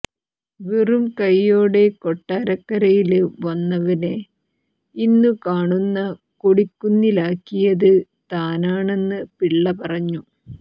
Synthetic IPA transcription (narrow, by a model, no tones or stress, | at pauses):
ʋirumkɐjːo̞ːɽe̞koʈːaːɾɐkːɐɾɐjilʋɐnːɐʋɐne̞ | inːukaːɳunːɐ | koɽikːunːilaːkːijɐðɨ | t̪aːnaːɳe̞nːɨpiɭːɐpɐrɐɲːu